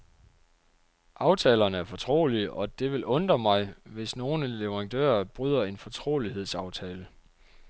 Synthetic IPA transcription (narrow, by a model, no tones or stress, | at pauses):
ʔɑ̈ʊt͡sʰɛːlɐnəæɐfɒ̽t͡sʰʁo̝̰ːliɒ̽d̥e̝ʋe̝lʔɔ̽nd̥ʁɐmɑ̈ɪʋe̝sno̝ːnəleʋɐʁɑ̈nd̥ø̰ːɐb̥ʁyð̞̰ˠɐe̝nfɒ̽t͡sʰʁo̝̰ːliɦe̝ð̞̰ˠsɑ̈ʊt͡sʰɛːlə